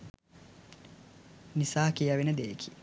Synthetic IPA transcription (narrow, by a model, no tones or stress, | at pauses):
nisaːkijaʋenəd̪ejkʰi̥